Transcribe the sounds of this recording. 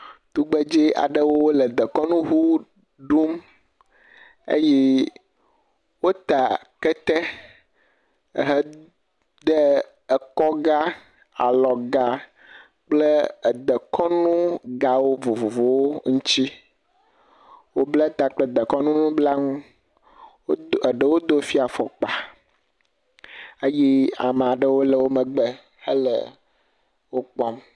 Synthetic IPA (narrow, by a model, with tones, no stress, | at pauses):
t̪u˦ɡ͡be˦d͡ʒi˦a̰˨ɖə˦wo˦wo˦lə˨d̪ə˨kɔ˦nũ˦ɦu˦ | ɖu˦m | ḛ˦jɛ˦ | wo˦t̪a˨ | kɛ˦t̪ɛ˦˨ | ɦɛ˦ | d̪ə˦ | ə˨kɔ˦ɡa˦ | a̰˨lɔ˨ɡa˨ | k͡plə˦˨d̪ə˨kɔ˦nũ˦ɡa˨wo˦vo˨vo˨vo˨wo˦ŋũ˦t͡ɕi˦ | wo˦ble˦t̪a˦k͡plə˦d̪ə˨kɔ˦nũ˦nũ˦bla˦ŋũ˦˨ | ɖə˨wo˦d̪o˦fi˦a˨fɔ˨k͡pa˨ | e˦ji˦a̰˨m˨a˨ɖə˦wo˦lə˨wo˦mə˨ɡ͡be˦ | hə˦lə̰˨ | wo˦k͡pɔ˦m